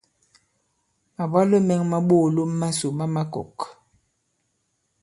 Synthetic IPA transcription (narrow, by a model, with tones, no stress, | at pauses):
a˨ba˦lo˦mɛ˦ŋma˦ɓoː˦˨lo˦mː˦a˦so˨ma˦ma˦kɔ̰˨k